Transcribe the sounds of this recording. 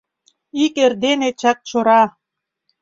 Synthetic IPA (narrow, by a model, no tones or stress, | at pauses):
ikerd̪enet͡ɕɑk̚t͡ɕoɾɑ